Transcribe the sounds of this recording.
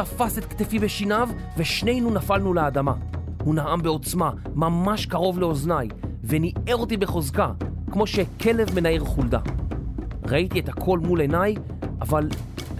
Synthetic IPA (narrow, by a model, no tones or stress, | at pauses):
afaset̪̚kt̪efibeʃinav | veʃne̞jnunafalnulead̪ama | hunaambeo̞t͡sma | mamaʃkaʁo̞vle̞o̞znajvenieʁo̞t̪ibe̞χo̞zkakmo̞ʃe̞kʰe̞le̞vme̞naiʁχulda̰ | ʁait̪iet̪hakʰo̞lmule̞naj | ʔaval